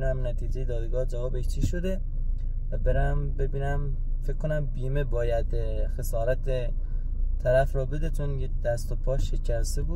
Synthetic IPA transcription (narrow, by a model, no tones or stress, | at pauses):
næmnæt̪ʰiːd͡ʒe̞jed̪ɒːd̪ɡɒːd͡ʒævɒːbet͡ʃʰiʃod̪e̞ | væbeɾæmbebiːnæm | fekʰkːonæmbiːmebɒːjæd̪ | xesɒːɾæt̪ʰe | t̪ʰæɾæfɾɒːbed̪et͡ʃʰonjek̚d̪̥æst̪opʰɒːʃecʰæst̪ebuː